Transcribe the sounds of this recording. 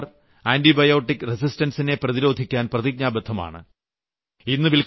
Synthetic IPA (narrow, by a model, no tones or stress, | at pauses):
r | aːnɖibɐjo̞ːʈːikʲːɨresistɐnsine̞prɐðiɾo̞ːd̪ʱikʲːaːnprɐðiɡ̚ɲaːbɐt̪ʰːɐma̰ːɳɨ̰ | inːɨʋil